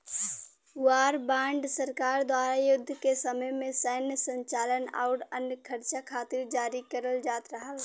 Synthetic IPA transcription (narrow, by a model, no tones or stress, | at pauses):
waːɾbãːɳɖsəɾkaːɾd̪waːɾajʊd̪ʱːkesəməjmẽsəɦnjəsə̃ɲt͡ʃaːləna̰ʊɾənjəkʰəɾt͡ʃakʰaːt̪ɪɾd͡ʒaːɾikəɾəld͡ʒaːt̪ɾəɦəl